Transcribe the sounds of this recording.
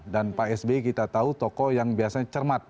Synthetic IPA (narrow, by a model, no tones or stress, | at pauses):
danpaɛsbekit̪at̪aut̪ɔkɔjaŋbiasaɲat͡ʃərmat̪̚